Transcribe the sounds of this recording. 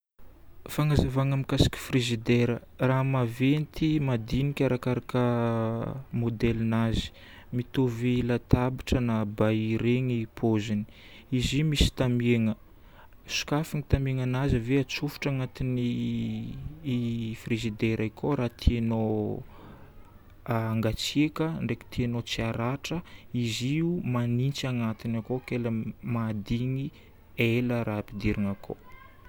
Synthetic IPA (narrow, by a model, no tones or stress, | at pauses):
faŋazavaŋamikasi̥kʲi̥frizid̪eɾə | raɦmavent̪ʰimad̪inikʲaɾakaɾakə | mod̪elinazi̥ | mit̪ovelat̪abiʈ͡ʂənabaiɾeŋipʰozini̥ | izimisi̥t̪ameŋə | su̥kafiŋit̪ameŋanazəveat͡sufi̥ʈ͡ʂaŋat̪ini | frezid̪eɾʔajkʰoɾat̪ʰiano | aŋɡat͡sekəɳɖ͡ʐeki̥t̪ianot͡siaɾaʈ͡ʂəiziumanint͡siaŋat̪inakokeləmad̪iŋi | eləɾʔaːpid̪iɾiŋakʰo̰